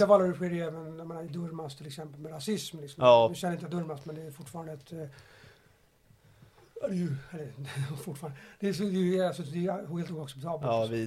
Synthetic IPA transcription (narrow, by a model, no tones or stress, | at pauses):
afalːaɾʉɧiːɾɛːvənjameːnaɛd̪ɵɾmast̪ʰːɪlɛksɛmpəlmɛɾasɪsmlɪksɔmnɵʃɛnːəɪnt̪əjad̪ɵɾmast̪mɛnd̪ɛːfʊʈːfɑːɾand̪əɛt̪ | d̪ɛjʉɛlːəfʊʈːfɑːɾand̪əd̪̥ɛsɔd̪ɛjəalsɔd̪ɛjheːlt̪uːaksɛp̚t̪ʰɑːbəl